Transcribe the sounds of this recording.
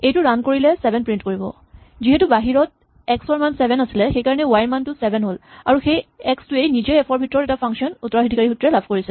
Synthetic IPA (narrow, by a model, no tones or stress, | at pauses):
ejtʊɹankoɹilɛsɛbʱɛnpɹintkoɹibɔ̰ | ziɦɛtubaɦiɹɔt | ɛksɔɹmansɛbʱɛnasilɛxejkaɹɔnɛʊwajɹmantusɛbʱɛnɦolaɹuxejɛkstuejnizɔɛpʰɔɹbʱitɔɹɔtɛtapʰaŋksiɔnutːɔɹaɦidʱikaɹixutɹɛlabʰʱkoɹisɛl